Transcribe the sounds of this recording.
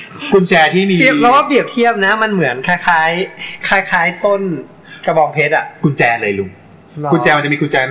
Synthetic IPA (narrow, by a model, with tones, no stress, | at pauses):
kʰu˧nt͡ɕɛː˧t̪ʰiː˥˩miː˧˩pʰɾɛː˧˦waː˥˩bi˨˩əp̚t̪ʰi˥˩əp̚na˦˥ma˧nmɯ˩˦ənkʰaː˧jxʰaː˦˥jkʰaː˧˩jkʰaː˦˥jt̪o˥˩n | ka˧bɔː˧ŋpʰeː˦˥t̪̚ʔa˨˩ʔku˧nt͡ɕɛː˧lɤː˧jlu˧˩ | ku˧nt͡ɕɛː˧ma˧nt͡ɕa˨˩miː˧ku˧nt͡ɕɛː˧n